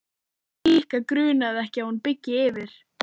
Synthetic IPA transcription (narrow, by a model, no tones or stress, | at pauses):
liːhkakɾʏːnaðɛhcɪahunpɪcːɪɪvɪɾ̥